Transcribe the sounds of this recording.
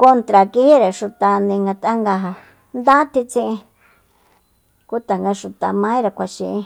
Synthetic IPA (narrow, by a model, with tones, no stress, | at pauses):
ko˧nt̪ɾa˨ki˧hi˦ɾe˨ʃu˨t̪a˨nĩ˧ŋɡa˧t̪a˦ŋɡa˧ɦa˧ | nd̪a˦t̪i˧t͡sĩ˦˧ʔĩ˧ | ku˦t̪a˨ŋɡa˧ʃu˨t̪a˨mã˦ĩ˦ɾe˨kʷa˨ʃḭ̃˧ʔĩ˧